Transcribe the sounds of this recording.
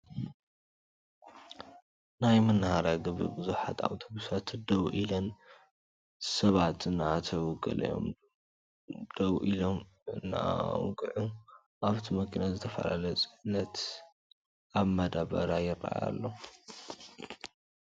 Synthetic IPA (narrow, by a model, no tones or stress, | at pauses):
najmɐnːahaɾaɡɨβɨ̰bɨzuħat̪ʰa̰wt̪ʰobusat̪d̪ɐwʔilɐn | sɐβat̪ɨnːat̪ʰɐwɡɐ̰lɐ̰jo̞̰m | d̪̥ɐwʔilomɨnːa̰wɡɨʕu | ʔaβt̪ʰimɐkʰinazɨt̪ʰɐfɐ̰la̰lɐsʼɨʕnːɐt̪ | ʔaβmɐd̪aβɐ̰ɾajɪrːa̰a̰ja̰lːo